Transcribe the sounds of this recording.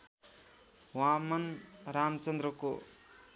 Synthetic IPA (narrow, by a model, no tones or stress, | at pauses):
wamʌnɾamt͡sʌnd̪ɾʌko